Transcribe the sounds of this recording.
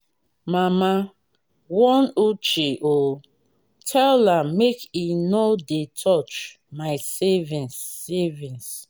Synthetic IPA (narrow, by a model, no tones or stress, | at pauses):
mama | wɔnut͡ʃeʔo | tʰɛlamekinodetʰɔt͡ʃ | maɪsɛvĩnsɛvĩns